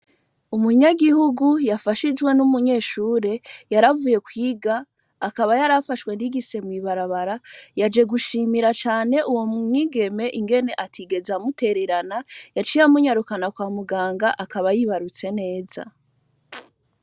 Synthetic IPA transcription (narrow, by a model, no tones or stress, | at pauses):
umuɲaɡihuɡujafaʃid͡ʒwe̞numuɲe̞ːʃuːɾe̞jaɾavuːje̞kwiːɡaː | kaβajaɾafaʃwe̞ndiɡise̞mwiβaɾaβaɾajad͡ʒe̞ɡuʃiːmiɾat͡ʃaːne̞ʔuwo̞mŋiːɡe̞me̞ʔiŋɡe̞ne̞ʔatʰiɡe̞zamute̞ɾe̞ɾanajat͡ʃijamuɲaɾukanakwaːmuɡaːŋɡaʔakaβajiβaɾut͡se̞ne̞ːza̰